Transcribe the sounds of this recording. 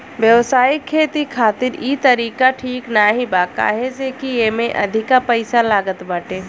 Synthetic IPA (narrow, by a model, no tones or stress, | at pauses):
ʋjəʋsaːjɪkʰːeːt̪ikʰaːt̪ɪɾiːt̪əɾiːkaʈʰiːknaːɦibaːka̰ːɦed͡ʒeːkijemẽʔɐ̰d̪ʱɪkapəɪsalaːɡət̪baːʈeː